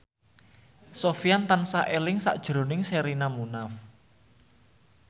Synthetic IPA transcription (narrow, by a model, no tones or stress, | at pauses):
sofijant̪ansaʔelɪŋsa̰ʔd̥ʒ̥ɾo̤nɪŋseɾinamunaf